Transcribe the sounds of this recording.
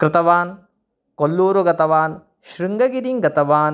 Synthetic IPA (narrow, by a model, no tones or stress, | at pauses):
kɾɪt̪ɐʋaːn | kolːuːɾuɡɐt̪ɐʋaːn | ʃɾiŋɡɐɡiɾiŋɡɐt̪ɐʋaːn